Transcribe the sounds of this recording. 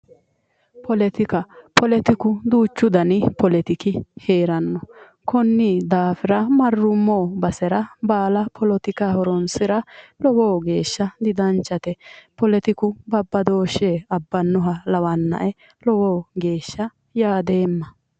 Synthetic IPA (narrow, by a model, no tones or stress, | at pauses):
pɔlɛt̪ɪkɐpɔlɛt̪ɪkʊd̪uːt͡ʃːʊd̪ɐnɪpɔlɛt̪ɪkɪheːɾɐnːɔ | kɔnːiːd̪aːfɪɾɐmɐrːʊmːoːbɐsɛɾɐbaːlɐpʰɔlɔt̪ɪkahɔɾɔnsɪɾɐlɔwoːɡe̞ːʃːɐd̪ɪd̪ɐnt͡ʃːɐt̪ɛpɔlɛt̪ɪkʊbɐbːɐd̪o̞ːʃeːɐbːɐnːɔɦɐlɐwɐnːɐ̰ʔɛ | lɔwoːɡe̞ːʃːɐ | jaːd̪e̞ːmːɐ